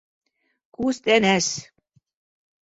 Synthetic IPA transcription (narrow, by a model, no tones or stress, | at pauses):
kust̪ænæʃ